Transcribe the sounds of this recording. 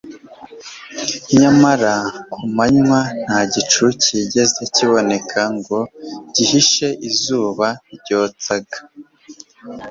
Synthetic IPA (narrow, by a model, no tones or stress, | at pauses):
ɲamaɾakumaɲŋwan̥haːɟit͡ʃuciɟe̞ze̞ciβo̞ne̞kʰaŋɡo̞ɟihiʃe̞ʔizuːβaɾɟo̞ːt͡saɡḁ